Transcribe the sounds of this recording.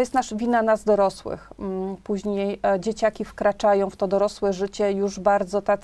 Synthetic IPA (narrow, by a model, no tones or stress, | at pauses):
ɔjɛst̪naʂvʲinanazd̪ɔɾɔswɘ̰xpuʑɲejd͡ʑet͡ɕakʲifkɾat͡ʂajɔ̃w̃ft̪ɔd̪ɔɾɔswɛʐɘt͡ɕɛjuʐbaɾd̪zɔt̪a